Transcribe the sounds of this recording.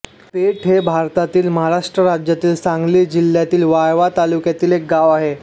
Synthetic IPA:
peʈʰɦebʱaɾt̪at̪iːlməɦaɾaʂʈɾəɾad͡ʑjat̪iːlsãŋɡliːd͡ʑil̤ːjat̪iːlʋajʋat̪alukjat̪iːlek̚ɡaʋaɦe

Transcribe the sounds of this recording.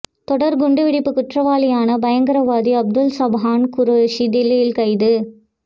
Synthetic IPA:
t̪ɔɽɐɾɡʊɳɖɯʋɪɽɪpːɯkʊʈrɐʋaːlɪjaːnɐbɐjɐŋɡɐɾɐʋaːd̪iɐb̚d̪ɯlsɐbɦaːnkʊɾoʃid̪ɪlːɪjɪlkɐɪðɯ

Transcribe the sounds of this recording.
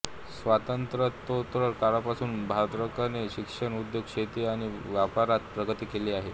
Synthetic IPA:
sʋat̪ənt̪ɾət̪ot̪ɾəɾkaɾapasuːnbʱad̪ɾəkaneɕikʂəɳud̪joɡ̚ɕet̪iːaɽ̃iʋjapaɾat̪pɾəɡət̪iːkeliːaɦe

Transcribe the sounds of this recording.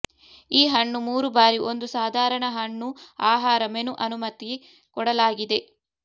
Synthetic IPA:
iːɦɐɳːumuːɾubaːɾiʔo̞nd̪usaːd̪ʱaːɾɐɳɐɦɐɳːuaːɦaːɾɐmenuʔɐnumɐt̪ːi | kɔɽɐlaːɡid̪e̞

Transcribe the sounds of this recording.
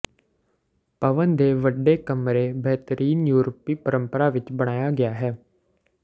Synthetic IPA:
pəʋənd̪eːʋəɖːeːkəmɾeːbɛɦt̪əɾiːnjuːɾəpːiːpəɾəmpəɾaːʋɪt͡ʃbəɽ̃aːjaːɡɪjaːɦɛː

